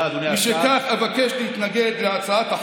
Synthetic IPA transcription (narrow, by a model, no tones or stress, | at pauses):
d̪nemiʃekaχavakeʃlehit̪naɡed̪leat͡saat̪aħ